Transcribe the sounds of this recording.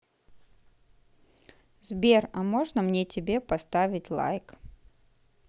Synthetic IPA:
zbʲerɐmoʐnəmnʲetʲɪbʲe̞pɐst̪avʲɪtʲlˠa̰jk

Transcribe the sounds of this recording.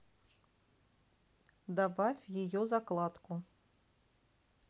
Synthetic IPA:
d̪abafʲjijɔzaklˠat̪ku

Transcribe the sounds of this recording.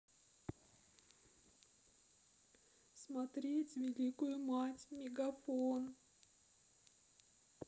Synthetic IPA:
smɐt̪ɾʲetʲvʲɪlʲikʊjʊmatʲmʲɪɡɐfon

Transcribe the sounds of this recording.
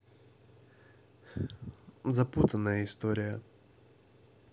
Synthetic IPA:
zɐput̪ənːəjəɪst̪oɾʲɪjə

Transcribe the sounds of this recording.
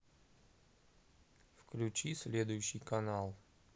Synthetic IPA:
fklʲʉt͡ɕisʲlʲed̪ʊjʊɕːɪjkɐnalˠ

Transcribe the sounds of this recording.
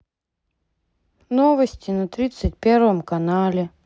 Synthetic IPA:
novəsʲtʲɪnɐt̪ɾʲit̪sɨt̚ʲpʲervəmkɐnalʲɪ

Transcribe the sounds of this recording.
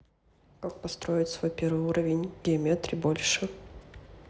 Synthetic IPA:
kak̚pɐst̪ɾo̞jɪtʲsvo̞jpʲe̞rvɨjuɾəvʲɪnʲɡʲɪɐmʲet̪ɾʲɪbo̞lʲʂɨ

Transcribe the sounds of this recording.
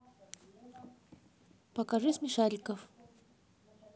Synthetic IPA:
pɐkaʐɨsmʲɪʂalʲkəf

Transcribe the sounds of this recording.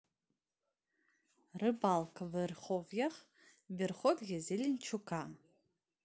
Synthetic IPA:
rɨbalkʰvɨrχovjaχ | bʲɪrχʷotʼɡʲɪzilʲint͡ʃʰukʰa

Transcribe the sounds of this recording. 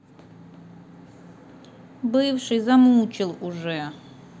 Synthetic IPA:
bɨjvʂɨzamuːt͡ʃʰʼɪlˠuʐɛ

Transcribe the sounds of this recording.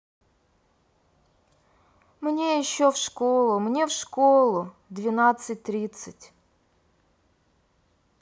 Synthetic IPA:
mnʲejɪɕːofʂkolˠʊmnʲe̞fʂkolˠʊ | d̪vʲɪnat̪sɨtʲt̪ɾʲit̪sɨtʲ

